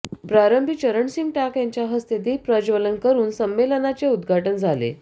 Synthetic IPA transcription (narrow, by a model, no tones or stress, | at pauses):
pɾaɾəmbʱit͡ɕəɾəɳsiŋɡʈakjaɲt͡ɕjaɦəst̪ed̪ipɾəd͡ʑʋələnkəɾuːnsəmːelənat͡seud̪ɡʱaʈənd͡zʱalḛ